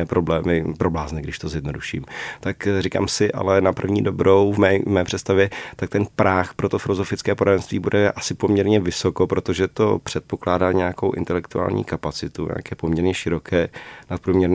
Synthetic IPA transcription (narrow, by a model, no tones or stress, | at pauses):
ɛːpɾo̞blɛːmɪpɾo̞blaːznɪɡdɪʃt̪o̞zjɛdno̞duʃḭːmt̪akrika̰ːmsɪʔa̰lɛnapr̩vɲiːdo̞bɾo̞wvmɛːmɛːpr̥ɛt̪st̪avjɛt̪ak̚t̪ɛnpɾaxpɾo̞t̪ofɪlo̞zo̞fɪt͡skɛːpodadɛnst̪viːbudɛʔasɪpo̞mɲɛɾɲɛvɪso̞ko̞pɾo̞t̪oʒɛt̪o̞̰pr̥ɛt̪̚po̞klaːdaːɲɛjako̞̰wʔɪ̰nt̪ɛlɛkt̪ua̰ːlɲḭːkapat͡sɪt̪uɲʔɛ̰a̰kɛːpomɲɛɾɲɛʃɪɾo̞kɛːnat̪̚pɾuːmɲɛɾn